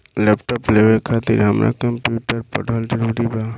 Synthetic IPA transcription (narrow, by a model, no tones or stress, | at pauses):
lepʈɔpleʋekʰat̪ḭɾɦəmɾa̰kəmpjuʈəɾpə̰ɖʱəld͡ʒəɾuɽiba